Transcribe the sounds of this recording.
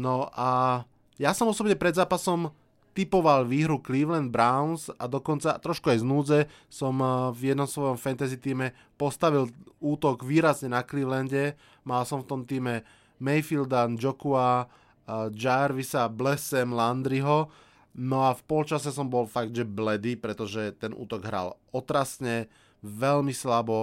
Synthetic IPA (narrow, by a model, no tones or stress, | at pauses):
nɔʔa | jasɔmɔsɔbɲɛpɾɛd̪zaːpasɔm | t̪ipɔʋalʋiːɦɾukliːʋlɛnd̪̚bɾaʊnsa̰d̪ɔkɔnt͡sat̪ɾɔʃkuajznuːd͡zɛ | sɔmvjɛd̪nɔmsʋɔjɔmfɛnt̪azit̪iːmɛ | pɔst̪aʋiluːt̪ɔɡʋiːɾazɲɛnakliːʋlɛnɟɛ | malsɔmft̪ɔmt̪iːmɛ | mɛjfild̪and͡ʒɔkua | d͡ʒaɾʋisablɛsɛmland̪ɾiɦɔ | nɔafpɔlt͡ʃasɛsɔmbɔlfaɡ̚d̪ʒɛblɛd̪ipɾɛt̪ɔʒɛt̪ɛnʔṵːt̪ɔɡɦɾa̰l | ɔt̪ɾasɲɛ | ʋɛlmislabɔ